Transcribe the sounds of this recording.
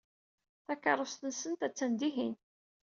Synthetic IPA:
θækːɑɾˤost̪ənsənt̪æt͡sːænd̪iɦin

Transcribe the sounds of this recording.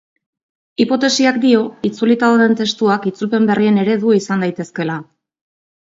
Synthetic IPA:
ipo̞t̪e̞siakd̪io̞it͡sulit̪aðoðe̞nt̪e̞st̪uakit͡sulpe̞mbe̞rie̞ne̞ɾe̞ðuisand̪ajt̪e̞ske̞la

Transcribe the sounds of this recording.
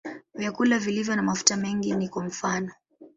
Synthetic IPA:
vjakulavilivjɔnamafu̥tamɛŋɡinikwam̩fanɔ

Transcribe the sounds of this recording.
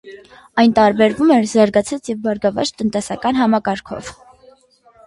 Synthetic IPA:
ɑjnt̪ɑɾbɛɾvumɛɾzɑɾɡɑt͡sʰɑt͡sjɛvbɑɾɡɑvɑ̰t͡ʃt̪ənt̪ɛsɑkɑnɦɑmɑkɑɾkʰɔ̰v

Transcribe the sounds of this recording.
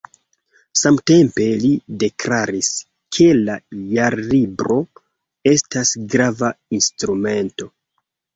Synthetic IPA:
samte̞mpe̞lide̞klaɾis | kʰe̞lajaɾlibɾo̞ | e̞stasɡɾavainstɾume̞nto̞

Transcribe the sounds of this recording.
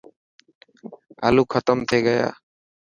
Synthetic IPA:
əluːkʰət̪əmt̪ʰeːɡəja̰ː

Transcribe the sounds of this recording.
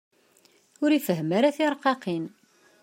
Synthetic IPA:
ʊɾifəɦmaɾaθiɾˤqːɑqin

